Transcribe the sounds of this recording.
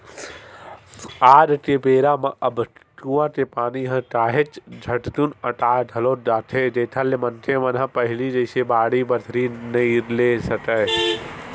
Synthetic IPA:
aːɾʈ̪epeːɾaːmãʔɐbʱt̪uːãt̪epaːniɦɐ̃ʈaːɦet͡ʃd͡ʒʱɐʈt̪unɐʈaːɖ̪ʱɐloːd̪aːt̪ʰeːd͡ʒeːt̪ʰalemɐ̃nt̪ʰemɐnɦãpɐɦɪlid͡ʒɐːsebaːɽibɐɾd̪ʰʱɾinɐileːsɐkəɦ

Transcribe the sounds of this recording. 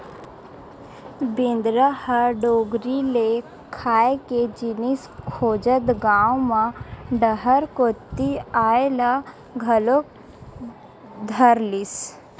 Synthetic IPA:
bɪ̃nd̪ɾahəɖoːɡɾile | kʰaːeked͡ʒɪniskʰoːd͡ʒət̪ɡaːwmãɖəɦəɾkot̪ːiaːela | ɡʱəlo | d̪ʱəɾlis

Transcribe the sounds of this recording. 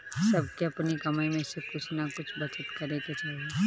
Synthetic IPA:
sɐb̚keɐpnikɐmajmẽsekʊt͡ʃʰnakʊt͡ʃʰbɐt͡ʃət̪kɐɾeket͡ʃaːɦa

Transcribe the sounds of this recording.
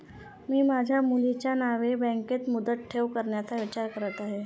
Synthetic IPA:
miːmad͡ʑʱjamulit͡ɕjanaʋebɛ̃ŋket̪mud̪ət̪̚ʈʰːeʋkəɾɳjat͡saʋit͡ɕaɾkəɾət̪aɦe

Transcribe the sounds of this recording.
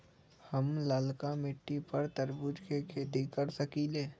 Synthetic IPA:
hɐmlaːlkamɪʈːipəɾt̪əɾbʊd͡ʒkekʰeːt̪ikɐɾsɐkiːleː

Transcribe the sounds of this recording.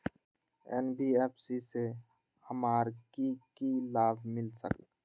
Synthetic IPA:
ɛ̰nbieːpʰsise | həmaːɾkikilaːbʱmɪlsə̰k

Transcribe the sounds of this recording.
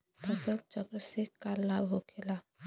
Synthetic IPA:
p̪əsəl̚t͡ʃəɡɾəsekalːabɦokʰela

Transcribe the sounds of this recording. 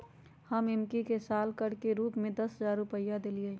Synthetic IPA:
həmɪmkikesaːlkəɽkeɾuːpmẽd̪ɐsɦəzaːɾɾupəjːad̪eːlie

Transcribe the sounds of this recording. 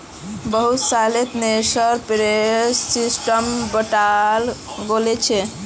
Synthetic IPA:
bəɦut̪salet̪nesəɾpeɾessisʈəmbəʈalɡolet͡ʃʰe

